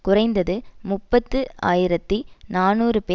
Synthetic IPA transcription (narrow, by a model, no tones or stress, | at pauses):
kʊrɐɪnd̪ɐðɯmʊpːɐt̪ːɯa̰ːjɪɾɐt̪ːinaːnuːrɯpeː